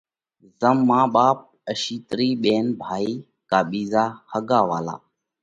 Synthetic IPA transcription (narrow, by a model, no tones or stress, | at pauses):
zəmːãːɓaːp̚əʃiːt̪ɾiːɓeːnbʱaːiː | kaːɓiːzaːhəɡaːʋaːla̰ː